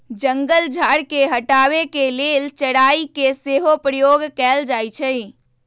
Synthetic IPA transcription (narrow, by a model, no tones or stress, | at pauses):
d͡ʒəŋɡəld͡ʒʱaɽkeɦəʈaβekelelt͡ʃəɽaikeseɦopɾəjoɡkɛld͡ʒajt͡ʃʰəj